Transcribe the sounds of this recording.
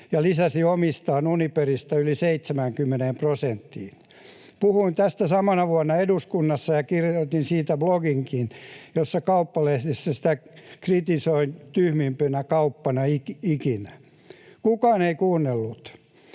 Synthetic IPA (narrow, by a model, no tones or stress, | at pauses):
jɑlisæsiomist̪ɑːnuniperist̪ɑyliseit̪semæŋkymːeneːmprosent̪ːḭːn | puhuint̪æst̪æsɑmɑnɑʋuɑnːɑeduskunːɑsːɑjɑkirjoit̪insiːt̪æbloɡiŋkinjosːɑkɑupːɑlehlesːæsĭ̥t̪ækrit̪isoint̪yhmimpønækɑupːɑnɑikikinæ | kukɑːneikuːnːelːut̪